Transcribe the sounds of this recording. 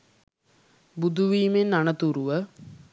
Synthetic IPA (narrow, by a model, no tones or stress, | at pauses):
bud̪ʱuʋiːmenːanət̪uɾuʋə